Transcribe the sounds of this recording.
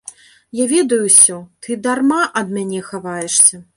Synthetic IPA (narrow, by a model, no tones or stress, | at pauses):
javʲɛd̪ɐjusʲɔt̪ʰɨd̪armaʔɐd̪mʲanʲɛxavajɛʂsʲɐ